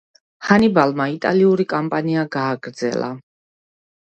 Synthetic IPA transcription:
hanibalmait̪ʼaliuɾikʼampʼaniaɡaːɡɾd̪zɛ̰lˠa̰

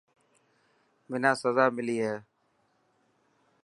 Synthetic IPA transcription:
mɪnãːsəzaːmɪliːɦɛː

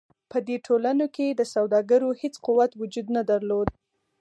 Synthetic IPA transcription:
pəd̪eʈʰolanoked̪əsawd̪ɑɡəɾohet͡squwat̪wʊd͡ʒud̪nad̪aɾlod̪

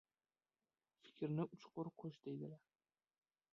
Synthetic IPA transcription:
fɪ̥kʲʰɾnɪʔʊt͡ʃqʊɾqʰoʃd̪̥ejd̪ɪlaɾ

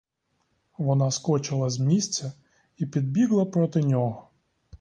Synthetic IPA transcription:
ʋɔnaskɔt͡ʃɪlˠɐzʲmʲisʲt͡sʲɐ | ipʲid̪̚bʲiɣlˠɐpɾɔt̪ɪnʲɔɦɔ

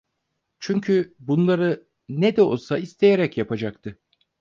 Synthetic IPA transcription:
t͡ʃʰyɲcʰybunlˠaɾɯ | ned̪ɛo̞̰lˠsaist̪ʰe̞jeɾɛcjapʰad͡ʒak̚t̪ʰɯ

